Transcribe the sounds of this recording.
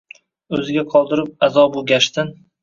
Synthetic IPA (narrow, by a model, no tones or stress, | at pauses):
ɵzɪɡʲaqʰɒlˠd̪ɪɾɪp̚azɒbʊɡʲaʃt̪ɪn